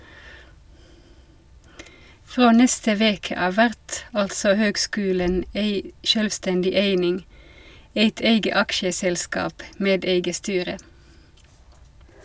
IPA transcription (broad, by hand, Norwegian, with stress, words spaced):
ˈfʁoː ˈnɛstə ˈʋeːkə ˈɑːʋ ˈʋæʁt ˈɑltsɔ ˈhøːɡˌskʉːlən ˈæɪ ˈʃøːlʋˌstɛndɪ ˈæɪnɪŋ ˈæɪt ˈæɪɡə ˈɑkʃəsɛlˌskɑːp ˈmeːd ˈæɪɡə ˈstyːʁə